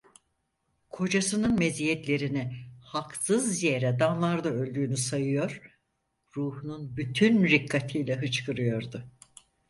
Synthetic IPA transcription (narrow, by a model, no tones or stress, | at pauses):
kʰo̞d͡ʒasɯnɯnmezijɛt̪lʲe̞ɾinɪhaksɯzje̞ɾɛd̪anlˠaɾd̪aø̞lʲd̪yːnysajɯjo̞ɾ̥ | ɾuːhununbyt̪ʰynɾikʰːat̪ʰijlʲɛɦɯt͡ʃkʰɯɾɯjo̞ɾd̪ʊ